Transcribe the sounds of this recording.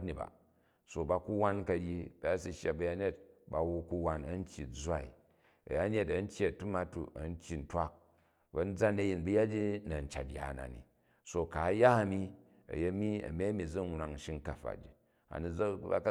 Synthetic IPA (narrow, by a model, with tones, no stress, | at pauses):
tni˨ba̰˨ | so˨ba˧ku˦wa˦nkɐ˧ɾi˦b̥a˨˦a˦si˦ʃja˨bɐ˦ja˦ne˦t̚ba˨wu˦˧ku˦wa˦nɐ˦n̩˦t͡ʃʲi˨d͡zʷa˦˨ḭ˨ | ɐ̰˨ja˦ne˦tɐ˨n̩˦tʲe˦ɐ˨tu˦ma˦tṵ˨ʔɐ̰˨˦n̩˦t͡ʃʲi˦˨n̩˦tʷa˦k̚ | bɐ˨n̩˦d͡za˦nɐ˦ji˦˨nbu˦ja˦d͡ʒi˦nɐ˨n̩˨˦t͡ʃa̰˨tja̰˨na̰˨nḭ˨ | so˦ka˨˦ja˦ɐ˨mi˦ | ɐ̰˨je˦mi˦ɐ̰˨me˦ɐ˦mi˨d͡zu˦n˨ɾa˨ŋ˨ʃi˦ŋka˨ɸa̰˨d͡ʒḭ˨ | a̰˨ni˨d͡zba̰˦k